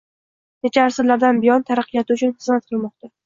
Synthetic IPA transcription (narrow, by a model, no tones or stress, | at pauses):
ne̞t͡ʃʰaːɾsɪɾlaɾd̪anbɪjɒnt̪ʰaɾɑqʰːɨjat̪ʰɪʊt͡ʃʰʊnχɨzmat̪qʰɨlˠmɒqt̪a